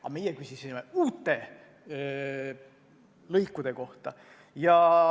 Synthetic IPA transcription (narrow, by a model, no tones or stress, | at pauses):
ɑ̰me̞jekysʲisimeuːt̪ːˑe̞ | lɤjkːˑud̪̥e̞ko̞ht̪ɑ | jɑ